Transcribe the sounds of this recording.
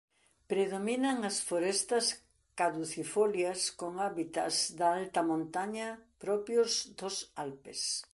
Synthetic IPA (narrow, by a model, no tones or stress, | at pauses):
pɾeðominɐŋɐsfoɾest̪ɐs | kaðuθifoljɐskoŋaβit̪ɐ̰zd̪aalt̪ɐmõnt̪aɲɐpɾɔpjozd̪osalpḛs